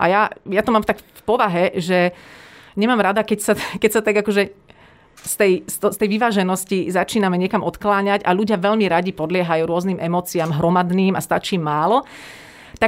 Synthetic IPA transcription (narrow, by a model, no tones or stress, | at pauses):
ʔa̰jajat̪ɔmaːmt̪akfpɔʋaɦɛʒɛ | ɲɛmaːmɾad̪akɛcsakɛcsat̪aɡakɔʒɛ | st̪ɛjst̪st̪ɛjʋiʋaːʒɛnɔscizat͡ʃiːnamɛɲɪɛkamʔɔt̪klaːɲaɟaʎuɟɪaʋɛʎmiɾaɟipɔd̪lɪɛɦajuːɾʊɔzniːmɛmɔːt͡siamɦɾɔmad̪niːma̰st̪at͡ʃiːmaːlɔ | t̪a